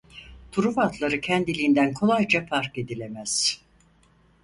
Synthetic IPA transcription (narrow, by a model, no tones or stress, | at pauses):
t̪ʰuɾuvat̪ʰlˠaɾɯcʰænd̪ilʲiːnd̪ænkʰo̞lˠajd͡ʒafaɾke̞d̪ilʲe̞mæz̥